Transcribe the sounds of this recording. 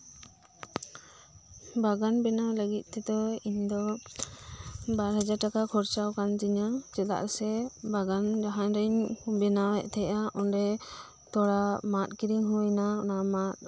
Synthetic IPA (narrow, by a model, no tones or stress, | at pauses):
baɡanbɛnawləɡit̪̚ˀt̪ɛd̪ɔiɲd̪ɔ | baɾɦad͡ʒaɾʈakakʰɔɾt͡ʃawkand͡ʒiɲad͡ʒɛt̪a̰ʔsɛbaɡand͡ʒaɦaɲɾɛɲbɛnawɛʔt̪ʰɛʔaʔɔnɖɛ | t̪ɔɽamat̪̚ˀkiɾiŋɦujnaɔnamat̪̚